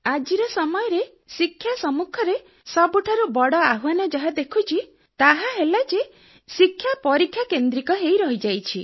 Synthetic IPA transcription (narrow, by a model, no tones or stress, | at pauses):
ad͡ʒiɾɔsɔmɔjɔɾe | sikʰːjasɔmukʰɔɾe | sɔbuʈʰaɾubɔɽɔaɦuanɔd͡ʒɔɦad̪ekʰut͡ʃʰi | t̪aɦaɦelad͡ʒe | sikʰːjapɔɾikʰːjakend̪ɾikɔɦejɾɔɦid͡ʒajt͡ʃʰi